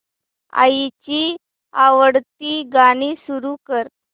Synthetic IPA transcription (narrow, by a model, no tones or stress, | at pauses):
a̰it͡ɕi | aʋəɽt̪iːɡaɽ̃isuɾukəɾ